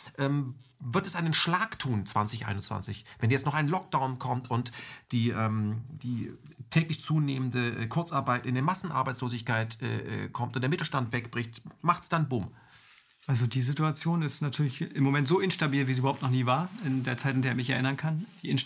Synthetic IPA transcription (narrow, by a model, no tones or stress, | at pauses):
ʔɛːmvɪɐtɛsʔaɪnənʃlaːktʰuːnt͡sv̥ant͡sɪçʔa̰ɪnʊnt͡sv̥a̰nt͡sɪçvɛnjɛt͡stnɔχaɪnnlɔk̚d̥aʊnkʰɔmtʰʊntd̥iːʔɛːmd̥iː | tʰɛːklɪçt͡suːneːməndəʔɛ̰kʰʊɐt͡saɐbaɪtɪndeːɐmasn̩ʔa̰ɐbaɪt͡sloːzɪçkaɪtʔɛ̰ːʔɛ̰kʰɔmtʊntd̥eːɐmɪtl̩ʃtantv̥ɛkb̥ʁɪçtmaχtsd̥anbuːm | ʔalzodiːzituat͡sjoːnɪstnatʰyːɐlɪçʔɪmːomɛntz̥oːʔɪnʃtabiːlviːziybɐhaʊptnɔχniːvaːɐɪndeːɐt͡saɪtɪndeːɐɪçmɪçɛɐʔɪnɐnkʰand̥iʔɪn